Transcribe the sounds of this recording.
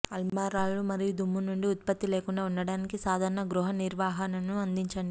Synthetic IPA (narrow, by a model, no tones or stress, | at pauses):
ɐlmaːɾaːlumɐɾijud̪ʱumːunuɳɖiut̪̚pɐt̪ːile̞ːkuɳɖaːunːɐɽaːnikisaːd̪ʱaːɾɐɳɐɡɾuɦɐniɾʋaːɦɐnɐnuɐnd̪iɲt͡ʃɐɳɖi